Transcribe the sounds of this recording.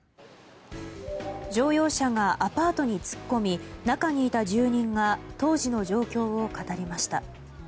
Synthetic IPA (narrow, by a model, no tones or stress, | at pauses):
d͡ʑo̞ːjo̞ːɕaŋaʔapaːt̪o̞ɲ̟it͡sɨ̥kːo̞mʲinakaɲ̟iːt̪aʑɨːɲ̟ĩŋɡat̪o̞ːʑino̞ʑo̞ːkʲo̞ːβokat̪aɾʲimaɕi̥t̪a